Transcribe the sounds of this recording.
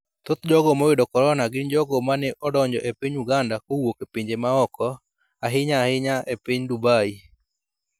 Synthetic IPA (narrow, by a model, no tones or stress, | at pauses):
t̪ot̪d͡ʒɔɡɔmɔwɪdɔkɔɾɔnaɡɪnd͡ʒɔɡɔmanɛʔɔdɔɲd͡ʒɔʔepiɲuɡandakowokepiɲd͡ʒemaɔkɔ | aɦɪɲaːhɪɲaepiɲdubai